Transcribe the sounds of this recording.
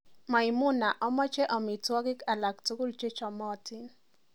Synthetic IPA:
ma˨ɪ˨mʊ˦na˨ʔɔ˦mɔ˦t͡ʃɛ˦ʔɔ˨mɪ˨twɔ˦ɡɪ˦ka˨la˨ktu˦ku˦lt͡ʃe˦t͡ʃɔ˨mɔ˦˨tɪ˦n

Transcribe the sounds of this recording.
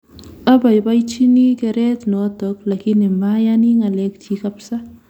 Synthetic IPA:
a˦ba˨jba˦jt͡ʃi˦ni˦kɛ˨ɾɛ˦t̪nɔ˨ɔ˦tɔ˨k̚la˨ki˦ni˨mbaja˦ni˦ŋa˨lɛ˦k̚t͡ʃi˦ka˦psa˦

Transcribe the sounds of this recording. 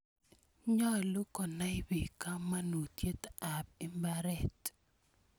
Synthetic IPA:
ɲɔ˦lʊ˦kɔ˨na˦ɪ˦bi˨ka˦ma˦nu˨tje˦t̪a˨b̚i˦mba˦ɾɛ˨t

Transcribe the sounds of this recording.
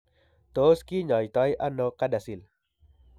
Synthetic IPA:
t̪o˨˦ski˦ɲɔ˨jt̪ɔ˧˦jʔa˦no˧kada˨si˨l

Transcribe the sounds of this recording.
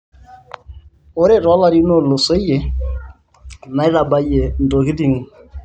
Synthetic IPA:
o˦ɾe˦˨ɾɔ˦la˦ɾi˦no˦˨lo˨se˦je˨˦ | na˨˦i˦la˨ba˦je˨n̩˨do˨ki˦di˨ŋ˨

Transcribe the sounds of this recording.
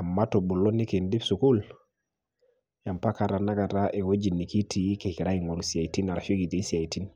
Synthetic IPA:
a˨ma˦to˨bu˨lo˦ni˦ke˨ndi˦fsu˨ku˦l | ja˨mpa˦ka˦ɾa˨na˦ka˨ɾa˦ʔe˨wo˦d͡ʒi˨ni˨ki˦tʰi˨˦ke˨ki˨ɾa˦i˨ŋo˨lusa˨i˨ti˦na˨ɾa˨ʃo˦ki˨t̪i˦sa˨i˨ti˦n

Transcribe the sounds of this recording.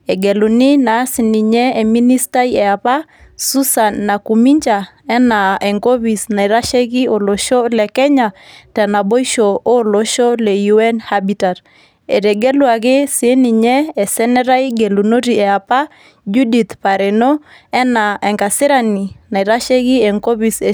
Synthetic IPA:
ɛ˨ɡe˨lu˨ni˦na˨˦sɪ˨ni˨ɲɛ˦e˨mi˦ni˦sta˦iɛ˨a˨pa˦ | su˦sa˨nːa˨ku˨mi˦ɲt͡ʃa˨ | ɛ˦na˨ɛ˨ŋko˦βi˨sna˨i˨ɾa˦ʃe˦ki˦o˨lo˨ʃɔ˦lɛ˨kɛ˦ɲa˨tɛ˨na˨bo˦i˦ʃo˨o˦lo˨˦ʃɔ˦lɛ˨ju˦ɛ˦nhabi˨ta˨ɾ | ɛ˨ɾɛ˨ɡe˦lwa˨kɪ˦si˨e˦ni˨ɲɛ˦ɛ˨sɛ˦nɛ˦ɾa˦iɡe˨lu˨no˦ɾi˨ɛ˨a˨pa˦ | d͡ʒu˦di˨t̪pa˨ɾɛ˨no˦ | ɛ˦na˨ʔɛ˨ŋka˨sɪ˦ɾa˨ni˨na˨i˨ɾa˦ʃe˦ki˦ɛ˨ŋko˦βi˨se˨

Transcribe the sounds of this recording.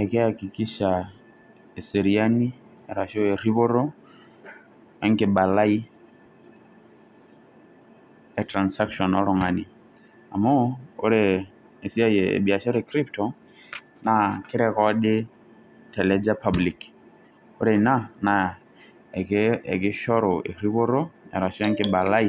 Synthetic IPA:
ɛkɪ˦aki˨ki˦ʃa˨ | ɛ˨sɛɾia˦ni˦ | ɛɾa˨ʃɔ˦ɛ˨ɾi˦βʊ˦ɾɔ˦ | ɛ˦ŋkɪ˨ɓa˨la˦i˦ | ɛtɾa˨nsa˦kʃɔ˨nɔ˦ɾɔ˨ŋa˨ni˨ | a̰˨mɔ˦o̰˦ɾe˨ | e˨si˦a˦je˨ḛ˨bi˨a˨ʃɛ˦ɾɛ˨kɾi˦ptɔ˨ | na˨kɪ˦ɾɛ˨kɔ˦ɗɪ˦ | tɛ˨lɛ˦d͡ʒa˦pʰa˦bli˨k | o˦ɾe˨na˦na˨ | ɛ˨kɛ̰˨kɪ˦ʃɔ˦ɾɔ˨ḛ˨ɾi˦βo˦ɾo˦ɛ̰˨ɾa˨ʃɔ˦ɛ˦ŋɡɪ˨ɓa˨la˦i˦

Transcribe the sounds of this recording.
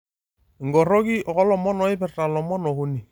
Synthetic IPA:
ɪ˨ŋɡɔ˨ɾɔ˦ki˦ʔɔ˨kɔ˦lɔ˨mɔ˦nɔ˨˦ɪ˦pɛ˨rta˨lɔ˨mɔ˦nɔ˨kʊ˦ni˨

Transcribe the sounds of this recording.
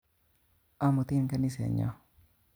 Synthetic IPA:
a˦mʊ˨t̪ɪ˦nka˦nɪ˦sɛ̰˨ɲɔ̰˦

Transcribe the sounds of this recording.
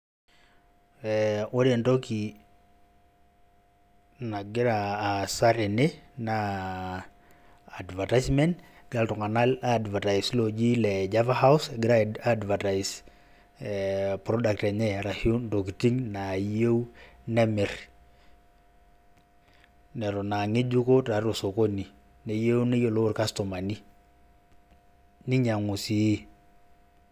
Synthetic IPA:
ɛo˦de˨ndo˦ki˨ | na˨ɡɪ˦ɾaːsa˦ɾe˨ne˦na | dvatajsmɛ˦nd | ɡa˦ltu˨ŋa˨na˦ladva˨ta˨islo˨d͡ʒi˦lɛ˨d͡ʒavaha˦usɡɪ˦ɾaadvata˨is | pɾo˦da˨k̚te˨ɲɛ˦ɾa˨hu˦ndo˨ki˨ti˦ŋna˨˦je˦u˦nɛ˦me˨r | nɛ˨ɾo˨na˨ŋe˦d͡ʒu˦ko˦ta˨ɾo˨so˨ko˦ni˨ | ne˨je˦ne˦jo˦˨lo˦ɾka˦sto˨ma˨ni˦ | ni˦ɲa˨ŋu˨si˦

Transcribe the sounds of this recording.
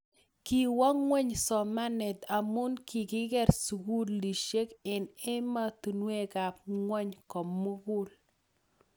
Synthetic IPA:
ki˨wa˦ŋwɛ˦ɲsɔ˨ma˦nɛ˨t̪a˨mʊ˦nkʰi˨ɡɪ˦ɡɛ˦ɾsu˨ɡu˦lli˨ʃe˦kɪ˨nɪ˦ma˦t̪u˨nwe˦ka˨p̚ŋwɛ˦ɲkɔ˨mːu˦ɡu˦l

